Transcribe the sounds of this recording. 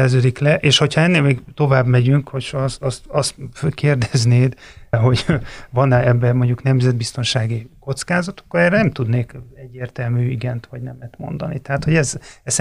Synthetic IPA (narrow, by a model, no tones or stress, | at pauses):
ɛrzøːd̪iklɛʔeːʃho̞chɒɛnːeːlmeːɡt̪o̞vaːbmɛɟyŋkhochst̪ɒst̪ɒst̪føkeːrd̪ɛzneːd̪ɦo̞ɟvɒnɛbːɛmoɲɟuknɛmzɛd̪̚bist̪o̞nʃaːɡiko̞t̪skaːzɒt̪ɒ̥kːoɾɛːrːɛnɛmt̪ud̪neːkɛɟːeːrt̪ɛlmyːiɡɛnt̪ʋɒɟnɛmɛt̪mo̞̰nd̪ɒnḭt̪ɛɦaːt̪ho̞ɟɛzɛs